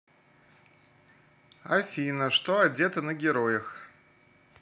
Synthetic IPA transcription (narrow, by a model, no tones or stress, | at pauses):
ɐfʲinəʂt̪oɐdʲet̪ənəɡʲɪɾojəx